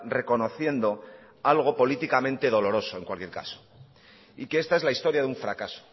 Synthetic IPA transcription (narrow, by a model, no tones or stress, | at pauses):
re̞ko̞no̞θje̞nd̪o̞ | alɣ̞o̞po̞lit̪ikamẽ̞nt̪e̞ð̞o̞lo̞ɾo̞so̞e̞ŋkwalkjeɾka̰so̥ | ikee̞st̪ae̞zlaist̪o̞ɾjaðuɱfɾakaso̥